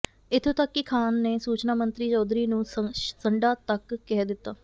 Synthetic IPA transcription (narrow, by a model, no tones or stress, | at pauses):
ɪt̪ʰːẽːt̪əkːɪkʰaːnːeːsuːt͡ʃnaːmənt̪ɾiːt͡ʃɔːd̪ɾiːnũːsəɳɖaːt̪əkːɛd̪ɪt̪ːaː